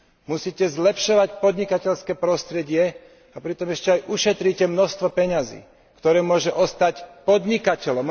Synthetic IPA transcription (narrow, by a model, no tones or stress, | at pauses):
musiːcɛzlɛpʃɔʋacpɔd̪ɲikacɛʎskɛːpɾɔst̪ɾɛɟɪɛ | apɾit̪ɔmɛʃcɛajʔuʃɛt̪ɾicɛmnɔst̪ʋɔpɛɲazḭː | kt̪ɔɾɛːmʊɔʒɛʔɔst̪acpɔd̪ɲikacɛlɔm